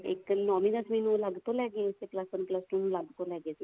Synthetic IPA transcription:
ḛknɔminəsminũlaɡt̪olaɡeseklasənplasminũlaɡt̪olaɡet̪

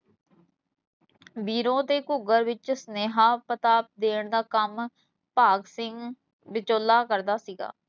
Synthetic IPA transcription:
biːɾõːt̪eːkʊɡəɾʋɪt͡ʃsəneːɦaːpət̪aːp̚d̪eːɳd̪aːkəm | paːɡsɪŋɡ | bɪt͡ʃoːlːaːkəɾd̪aːsiːɡa̰ː

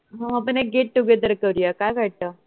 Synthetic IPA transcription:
ɦãɦãpəɳeɡeʈ̚ʈuɡed̪əɾkəɾijakajʋaʈ̚t̪əː

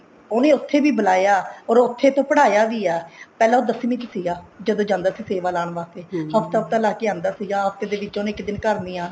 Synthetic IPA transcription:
oːnẽːʊt̪ʰːeːbiːbəlaːjaːɔːɾʊt̪ʰːeːt̪õːpəɽaːjaːʋiːɛːpɛːlãːoːd̪əsːmĩːt̪əsiːɡaːd͡ʒəd̪õːd͡ʒãːnd̪aːsiːseːʋaːlaːɳʋaːst̪eːhəft̪aəpt̪aːlaːkeːãːnd̪aːsiːd͡ʒãːɦəft̪eːd̪eːʋɪt͡ʃːoːnẽːɪkd̪ɪnkəɾniːãː

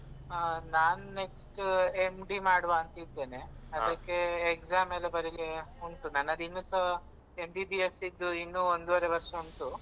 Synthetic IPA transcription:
naːnune̞ksʈemɖimaːɽʋaːnt̪ɐid̪eːneɐd̪ɐkːeekzaːmɛlːɐbɐɾileuɳʈunanːɐd̪inːusɐ | emɖibiesid̪ːuinːuːond̪uʋɐɾeʋɐɾʂɐuɳʈu

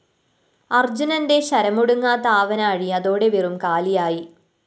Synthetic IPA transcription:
ɐrd͡ʑunɐnde̞ɕɐɾɐmuɽuŋːaːt̪aːʋɐnɐːɻiɐðoːɽe̞ʋirumkaːlijaːji

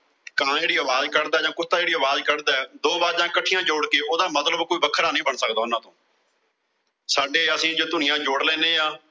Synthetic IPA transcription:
kãːd͡ʒeːɽiːəʋaːzkəɾd̪aːd͡ʒãːkʊst̪aːd͡ʒeːɽiːəʋaːzkəɽd̪aːɛːd̪oːbaːɾd͡ʒãːkəʈʰːijãːd͡ʒoːɽkeːoːd̪aːmət̪ləbkoːiːbəkʰːəɾaːnəĩːbəɳsək̚d̪aːʊnãːt̪õː | saːɖeːəsĩːd͡ʒoːt̪ʊnɪjãːd͡ʒoːɽlɛ̃ːneːaː

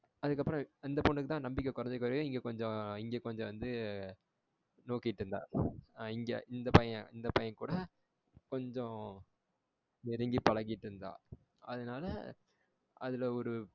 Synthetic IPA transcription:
ɐðɯkːɐpːɯɾɔ̃ɪnd̪ɐpɔɳɖɯkːɯt̪ãːnɐmbɪk̬ʲːɐkʊɾɐɲd͡ʒɛkːʋɐɾɐjʊ̃ɪŋɡeːkɔɲd͡ʒɔ̃ɪŋɡeːkɔɲd͡ʒɔ̃ʋɐnd̪ɯ | noːkːɪʈːɾɯnd̪ã̰ːɪŋɡḛʔɪnd̪ɐpɐjɐ̃ɪnd̪ɐpɐjɐnkuːɽɐ | kɔɲd͡ʒɔ̃ | nɪɾɪŋɡipɐɭɐŋɡɪʈːɾɯnd̪ã̰ː | ɐðɐnaːlɐ̰ | ʔɐ̰ðɪlɐɔɾɯ

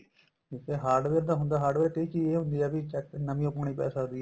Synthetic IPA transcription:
t̪eːɦaːɾɖʋeːɾd̪aːɦʊ̃nd̪aːɦaːɾɖʋeːɾt̪eiːkieːɦʊ̃nd̪iːɛːbit͡ʃɛknəmĩːoːpəːɳ̃iːpɛ̰ːsaːɦnd̪iːɛː

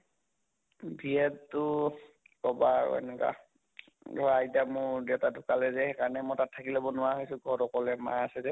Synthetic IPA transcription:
bʱiɛtːʊ | kɔba̰ɛ̰nɛka̰ | ɔɹajdamʊɹdewtadʱʊkalɛzɛhɛkaɹnɛmɔtatʰːakilɔbɔnʊwaɦojsʊ̃ɡʱɔɹɔkɔlɛma̰asɛzɛ

